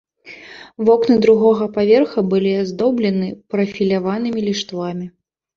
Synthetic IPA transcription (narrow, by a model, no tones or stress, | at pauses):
vɔknɨd̪ɾuɣɔɣɐpavʲɛrxɐbɨlʲiazd̪ɔblʲɐnɨpɾɐfʲilʲavanɨmʲilʲiʂt̪vamʲi